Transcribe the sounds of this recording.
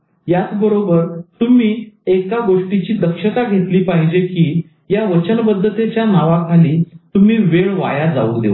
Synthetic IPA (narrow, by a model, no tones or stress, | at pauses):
jat͡sbəɾobəɾt̪umiːekaɡoʂʈit͡ɕiːd̪əkʂət̪aɡʱet̪liːpaɦid͡ʑekiː | jaʋət͡ɕənbəd̪ʱːət̪et͡ɕjanaʋakʰaliːt̪um̤iːʋeɭʋa̰jad͡za̰əkd̪ḛʋə